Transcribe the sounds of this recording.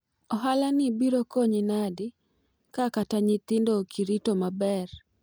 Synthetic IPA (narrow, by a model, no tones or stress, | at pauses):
ɔɦalanɪbiɾokoɲɪnadɪ | kakataɲɪt̪ɪndokʰiɾitomabɛr